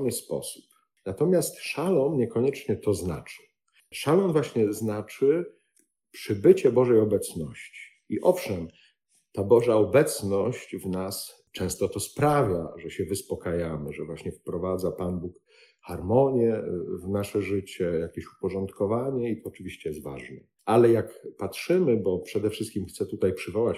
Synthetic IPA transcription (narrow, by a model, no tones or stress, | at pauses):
nɘspɔ̰su̥p | nat̪ɔmʲjast̪ʂalɔnɲɛkɔɲɛt͡ʂɲɛt̪ɔzna̰t͡ʂɘ̥ | ʂalɔmvwaɕɲɛznat͡ʂɘ | pʂɘbɘt͡ɕɛbɔʐɛjɔbɛt̪snɔɕt͡ɕi̥ | iʔɔfʂɛm | t̪abɔʐaɔbɛt̪snɔɕt͡ɕvnas | t͡ʂɛ̃w̃st̪ɔt̪ɔspɾavʲjaʐɛɕɛvɘspɔkajamɘʐɛvwaɕɲɛfpɾɔvad̪zapanbuk | xaɾmɔɲjɛvnaʂɛʐɘt͡ɕɛjakʲeɕu̥pɔʐɔnt̪kɔvaɲɛit̪ɔːt͡ʂɨvʲiɕt͡ɕɛjɛst̪va̰ʐnɛ | ʔalɛjakpatʂɘmɘbɔpʂɛd̪ɛfʂɨst̪̚kʲimxt̪sɛt̪ut̪ajpʂɘvɔwat͡ɕ